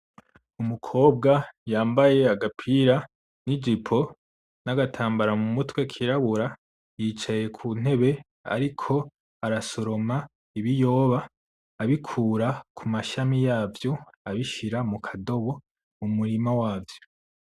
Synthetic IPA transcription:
umukʰo̞ːb̚ɡajaːmbaje̞aɡapʰiɾa | nid͡ʒipʰo̞ | naɡatʰaːmbaɾamumutwe̞kʰiɾaβuɾa | jiːt͡ʃaje̞kʰuːn̥e̞βe̞ | a̰ɾikʰo̞ | aɾaso̞ɾo̞ma | iβijo̞ːβaː | βikʰuːɾakʰumaʃamijaːvjo̞ | aβiʃiɾamukʰado̞βo̞ | mumuɾimawaːvjo̥

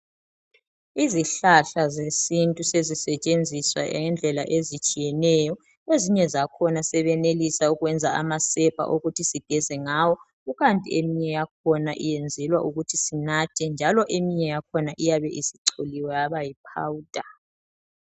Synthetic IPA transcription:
iziɬaɬazesintʼusezisɛt͡ʃʼend͡zʱiswa̰ʔɛ̰nd͡ɮʱɛla̰ʔezit͡ʃʼijɛnɛjɔ | eziɲɛzakʰɔnasɛβɛnelisauɣwɛnd͡zʱaamasɛpʰʼa̰ʔoɣutʰisiɡ̥ʱɛzɛŋawɔ | uɣantʼḭemiɲɛjak̚ʰɔnaʔijɛnd͡zʱɛlwaʔuɣutʰisinatʰɛnd͡ʒʱalɔʔemiɲɛjakʰɔnaʔijaβɛʔisiǀʰoliwɛjaβajipʰa̰wuːd̥ʱa

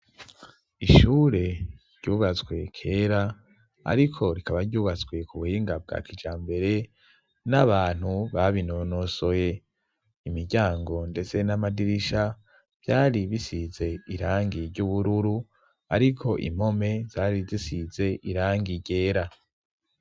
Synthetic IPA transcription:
iʃuːɾe̞ɾɟ̥uːβazɡwe̞kʰe̞ːɾa | a̰ɾikʰo̞ɾikaβaɾɟuːβazɡwe̞kuβuhiːŋɡab̚ɡa̰kʰid͡ʒaːmbe̞ɾe̞ | naβaːn̥huβaβinonoso̞je | imiɾɟaːŋɡo̞nde̞t͡se̞namadiɾiʃa | v̥jaːɾiβisize̞iɾaːŋɡiɾɟuβuɾuɾu | a̰ɾikʰo̞ʔḭm̥o̞me̞z̥aːɾizisize̞ʔiɾaːŋɡiɟe̞ːɾa

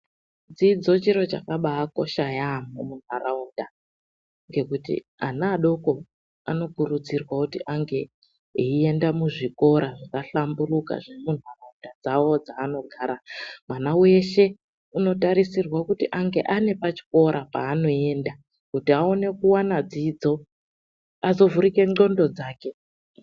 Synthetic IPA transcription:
d͡zid͡zo̞t͡ʃiɾo̞t͡ʃakaɓaːko̞ʃajamomun̤waraunda | ŋɡe̞kutḭ | anaːɗo̞ko̞ | a̰no̞kurud͡zirwakutiʔaŋɡe̞ | eie̞ndamuʐiko̞ɾaʐakaɬamburuka̰ʐemun̤waraundad͡zawo̞d͡zaːno̞ɡʱaːɾamwanawe̞ʃe̞ | uno̞taɾisirwakutiʔaŋɡe̞ʔane̞pat͡ʃi̥ko̞ɾʔapa̰ːno̞e̞nda | kutiao̞ne̞kuwanad͡zid͡zo̞ | azo̞vuɾike̞ŋ͡ǃo̞ndo̞d͡zaːke̞

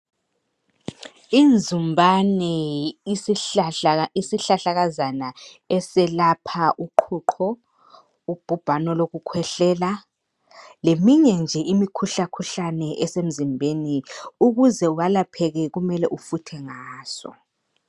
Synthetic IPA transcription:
ind͡zʱumbʱanɛis | isiɬaɬaɣazana | ɛsɛlapʰaʔuǃʰuǃʰɔ | ub̥ʱub̥ʱanɔloɣukʰwɛɬɛːla | lemiɲɛnd͡ʒʱɛʔimikʰuɬakʰuɬanɛʔɛsem̩zimbʱeniuɣuzɛuwalapʰɛɣɛɣumɛlɛʔufutʰɛŋaːsɔ̰

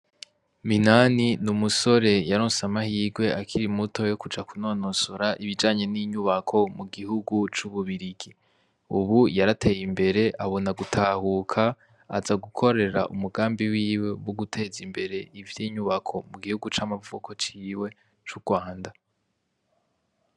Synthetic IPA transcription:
minaninumuso̞ɾe̞jaɾoːnsamahiːɡwe̞akʰiɾimuto̞jo̞kud͡ʒakuno̞ːnosoɾaʔiβid͡ʒaːɲe̞niːɲuβakʰo̞muɡihuɡut͡ʃuβuβiɾiɡi | uβujaɾatʰe̞jimbe̞ɾe̞ʔaβo̞naɡutʰaːhukʰaː | zaɡukʰo̞ɾe̞ɾa̰ʔumuɡaːmbiwiːwe̞woɡutʰe̞ːzimbe̞ɾe̞ivjiːɲuβakʰo̞muɡihuɡut͡ʃamavukʰo̞t͡ʃiːwe̞ | t͡ʃuɡ̥waːnda

